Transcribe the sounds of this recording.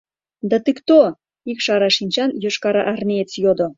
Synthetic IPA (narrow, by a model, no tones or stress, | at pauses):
d̪ɑt̪ɨkt̪o | ikʃɑɾɑʃinʲt͡ɕɑnjø̆ʃkɑɾɑʔɑrnʲeet͡sjod̪o